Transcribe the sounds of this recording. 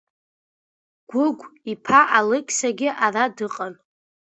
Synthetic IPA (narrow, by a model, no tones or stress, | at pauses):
ɡ̥ʷʊɡʷipʰaʔalɨkʲʼsaɡʲɪʔaradɨqʼan